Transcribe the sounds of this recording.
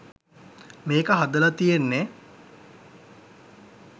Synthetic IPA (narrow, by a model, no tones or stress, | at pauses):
meːkəɦad̪əlat̪ijenːe